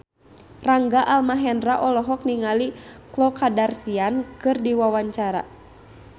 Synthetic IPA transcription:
raŋɡaʔalmaɦɛndraʔɔlɔɦɔk̚niŋaliklɔkadarsiankɨrdiwawaɲt͡ʃaɾa̰

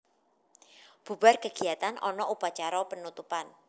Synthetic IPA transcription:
b̥ṳbarkəɡ̥i̤at̪anʔɔnɔʔupat͡ʃaɾɔpənut̪upan

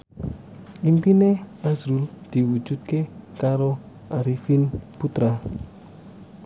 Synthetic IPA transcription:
ʔimpineazɾuld̪̥iwud͡ʒut̪̚kekaɾo | aɾifinput̪ɾa

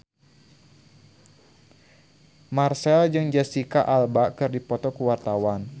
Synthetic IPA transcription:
marsɛld͡ʒɨŋd͡ʒasikaʔalbaʔkɨrdipɔt̪ɔkəwart̪awan

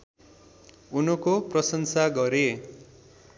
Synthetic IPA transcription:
unʌkoprʌsʌnsaɡʌɾe

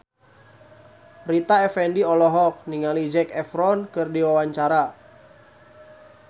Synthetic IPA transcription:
rit̪aɛfɛndiɔlɔɦɔk̚niŋalid͡ʒɛkɛfɾɔnkɨrdiwawaɲt͡ʃaɾa

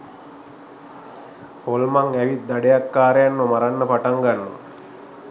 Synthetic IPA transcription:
holmaŋæʋit̪̚d̪aɖejakːaːɾejanːomaɾanːəpaʈaŋɡanːṵ

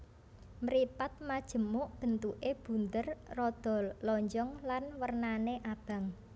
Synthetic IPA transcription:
mɾipat̪̚mad̥ʒ̥ə̤moʔb̥ə̤nt̪uʔeb̥ṳnt̪ərːɔd̪̥ɔ̤llɔɲd͡ʒɔŋlanwərnaneʔab̥ä̤ŋ

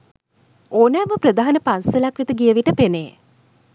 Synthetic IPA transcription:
oːnæːməpɾəd̪aɦanəpansəlakʋit̪əɡiəʋiʈəpeneː

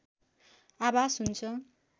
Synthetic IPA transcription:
abasɦunt͡sʰʌ

